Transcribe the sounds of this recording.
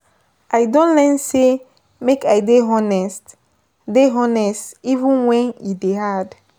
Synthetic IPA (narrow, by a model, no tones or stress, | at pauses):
ajdɔ̃ntlɛnse | mekajdeɦɔnɛst | deɦɔnɛstivũnwɛ̃njudeɦad